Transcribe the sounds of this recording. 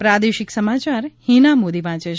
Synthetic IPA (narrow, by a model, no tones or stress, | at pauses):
pɾad̪eʃɪksəmat͡ʃaɾhinamod̪iʋãt͡ʃeʃ